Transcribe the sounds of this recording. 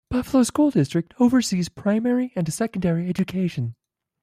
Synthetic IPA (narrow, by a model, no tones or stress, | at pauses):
b̥ʌfəlˠoʊskulˠdɪstɹ̥ɨk̚tʰoʊvə˞siz̥pʰɹ̥ãɪ̃mɛɹiɨ̃nsɛkn̩dɛɹiɛd͡ʒɨkʰeɪʃɨ̃n